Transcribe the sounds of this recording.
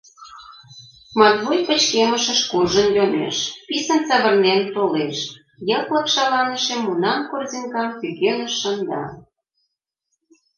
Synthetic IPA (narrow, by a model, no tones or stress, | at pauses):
mɑt̪βojpə̆t͡ɕkeməʃə̆ʃkurʒənjonḛʃpisə̆nsɑβə̆rnent̪oleʃ | jɤklɤ̆kʃɑlɑnə̆ʃemːunɑmkorziŋkɑmpykenə̆ʃːənd̪ɑ̰